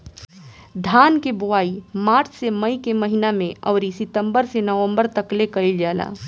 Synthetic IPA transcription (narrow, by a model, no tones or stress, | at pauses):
d̪ʱaːnkebuaːimaːɾt͡ʃʰseməikeməɦinamẽəʊɾisɪt̪əmbəɾsenəʋə̃mbəɾt̪əklekəɪld͡ʒaːla̰